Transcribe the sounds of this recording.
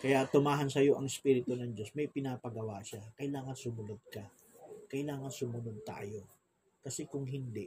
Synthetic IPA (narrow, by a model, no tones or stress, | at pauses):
kɐjat̪ʊmaːɦɐnsɐjo̞ʔɐŋɪspiɾɪt̪onɐŋd͡ʒo̞smɐjpɪnaːpɐɡɐwaʔʃakɐʔɪlaːŋɐnsʊmʊnod̪̚kɐ | kɐʔɪlaːŋɐnsʊmʊnod̪̚t̪a̰ːjo̞ | kɐsɛkʊŋɦɪnd̪ɛ